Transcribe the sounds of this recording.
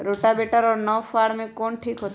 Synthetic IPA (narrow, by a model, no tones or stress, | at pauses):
ɾoʈabeʈəɾɔːɾnɔʋfaɾmẽkɔːnʈʰiːkɦoːt̪